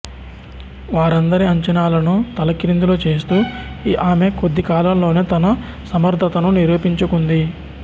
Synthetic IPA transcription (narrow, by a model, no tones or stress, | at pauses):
ʋaːɾɐnd̪ɐɾiɐɲt͡ʃɐnaːlɐnut̪ɐlɐkiɾind̪uloːt͡ʃe̞ːst̪uːʔaːme̞kod̪ːikaːlɐmlo̞ːneːt̪ɐnɐ | sɐmɐɾd̪ʱɐt̪ɐnuniɾuːpiɲt͡ʃukund̪i